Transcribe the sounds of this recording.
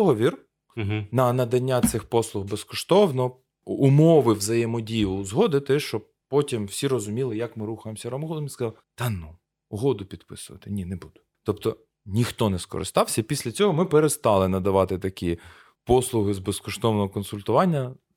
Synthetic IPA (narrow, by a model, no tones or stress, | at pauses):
ɦɔʋʲir | nɐnɐd̪ɐnʲːat̪sɪxpɔslˠʊɣbeskɔʃt̪ɔwnɔɔ | umɔʋɪwzɐjemɔdʲijˠʊzɦɔd̪ɪt̪ɛʃt͡ʃɔ | pɔtʲimwsʲiɾɔzʊmʲilˠɪjɐkmɪɾuxɐjemsʲɐɾɔmɔɦɔlˠɔmʲinkɐzɑlˠt̪ɑnu | ʊɦɔd̪ʊpʲid̪pɪ̰sʊʋɐ̰t̪ɪnʲinebud̪̥ʊ̥ | t̪ɔpt̪ɔ | nʲixt̪ɔnɛskɔ̰ɾɪ̰st̪ɑwsʲɐipʲisʲlʲɐt͡sʲɔɦɔmɪpeɾest̪ɑlˠɪnɐd̪ɐʋɑt̪ɪt̪ɐkʲi | pɔslˠʊɦɪzbeskɔʃt̪ɔwnɔɦɔkɔnsʊlʲt̪ʊʋɑnʲːɐ